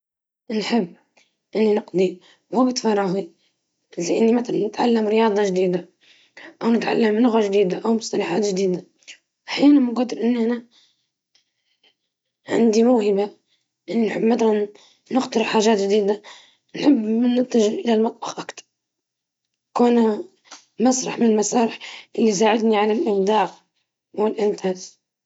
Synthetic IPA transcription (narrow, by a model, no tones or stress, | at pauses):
nħəbː | ʔɪnːinəqd̪ˤi | wubət̪fɑrˤːɑɣi | zaʔɪnːimat̪alnɪt̪ʕa̰lːəmɾəjɑːd̪ˤɑʒd̪iːd̪a | ʔawnɪt̪ʕa̰lːəmlʊɣaʒd̪iːd̪aʔawmʊst̪ɑlaħaːt̪ʒd̪iːd̪a | ʔaħjaːnanmʊɡɑd̪ːəɾʔɪnːʔæna | ʕa̰nd̪imʊːhəba | ʔɪnːinħəbːmad̪ɾˤɑː | ʊxt̪ɑɾˤħaːʒaːt̪ʒd̪iːd̪a | nħəbːnət̪ːaʒɪlʔɪlalmɑt̪ˤbɑqʔakt̪ɑ̥ɾˤ | kun | mɑsˤɾˤɑ̰ħmɪnlmasaːɾɪħʔɪlːis̬aːʕɪd̪niʕalalʔɪmd̪aːq | wɪlʔɪnt̪ʰaːz